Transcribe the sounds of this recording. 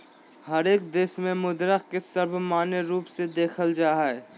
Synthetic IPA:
hɐɾeːk̚d̪eːsmẽmʊd̪ɾəkkesɐɾbʱmaːneɾuːpsed̪eːkʰəld͡ʒaːɦɛ

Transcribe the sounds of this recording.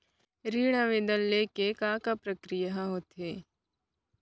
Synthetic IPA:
ɾiːɽ̃aʋed̪əlːeːkekãːkapɾɐkɾɪjaɦãɦot̪ɦeː

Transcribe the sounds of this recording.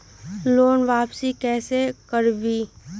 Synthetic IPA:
loːnʋaːpsikɛːsekəɾbiː

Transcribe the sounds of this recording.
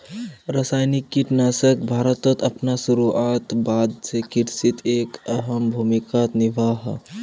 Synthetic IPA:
ɾəsaːjnikːiʈnaːsək̚bʱaːɾət̪ət̪əpnasuɾuat̪bad̪sekiɾsit̪ʰeːkəɦəmbʱumikat̪niʋaːɦ

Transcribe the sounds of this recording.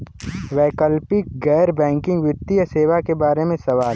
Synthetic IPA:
ʋɛːkəlpɪk̚ɡɛːɾbɛ̃ːŋkɪ̃ŋɡʋɪt̪ːijseːʋakebaːɾemẽsɐʋaːl

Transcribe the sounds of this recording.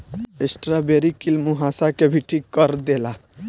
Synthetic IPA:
esʈɾabeɾikilmuɦãsakebʱiʈʰikəɾd̪ela

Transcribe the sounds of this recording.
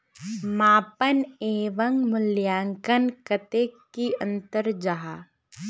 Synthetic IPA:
maːpəneːʋəŋmʊljaːŋkənkɐt̪eːkiə̃nt̪əɾd͡ʒaɦaː

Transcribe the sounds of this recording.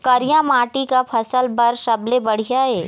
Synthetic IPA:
kɐɾjãmaːʈikapʰɐsəlbɐɾʃɐblebɐɽ̤ijaɦɛː

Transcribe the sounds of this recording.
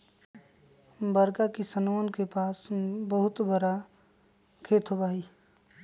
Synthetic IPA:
bəɾkakisənmənkepasbəɦʊt̪bəɾa | kʰet̪ɦobai

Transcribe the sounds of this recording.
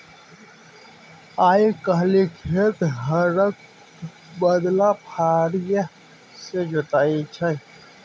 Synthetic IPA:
aːikəɦlikʰet̪ɦəɾək̚ | bəd̪lapʰaːɾjə | sed͡ʒʊt̪aːit͡ʃʰə̃

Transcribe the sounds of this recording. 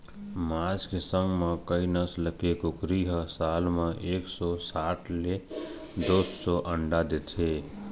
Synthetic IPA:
maːd͡ʒkesə̃ŋɡmẽkəinəsləkekokɾiɦəsaːlmeʔeːksɔsaːʈʰle | d̪osːɔʔəɳɖad̪et̪ʰe

